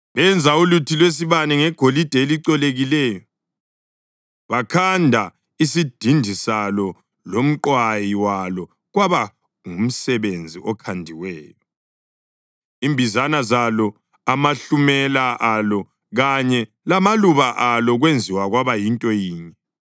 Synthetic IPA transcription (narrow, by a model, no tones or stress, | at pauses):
βɛnd͡zʱaulutʰilwes̬iβanɛŋɛɡ̥ʱolid̥ʱɛeliǀɔleɣilɛːjɔ | βakʰandʱa | isid̥ʱindʱisalɔ | lom̩ǃwajiwalɔ | ɣwaβa | ŋum̩sɛβend͡zʱiʔɔkʰandʱiwɛːjɔ | iːmbʱizanazalɔ | amaɬumɛlaʔalɔ | ɣaɲɛ | lamaluβaʔalɔɣwend͡zʱiwaɣwaβajintʼɔjiːɲɛ